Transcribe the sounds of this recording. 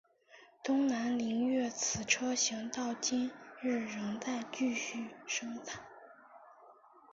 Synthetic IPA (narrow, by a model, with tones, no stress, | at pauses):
t̪ʊ˥ŋna˧˥nli˧˥ŋɥɛ˥˩t͡sʰɹ̩˨˩ʈ͡ʂʰɤ˥ɕi˧˥ŋt̪ɑ˥˩ʊt͡ɕi˥nɻɻ̩˥˩ɻɤ˧˥ŋt͡sa˥˧ɪt͡ɕy˥˧ɕy˥˩ʂɤ˥ŋt͡sʰa˨˩˦n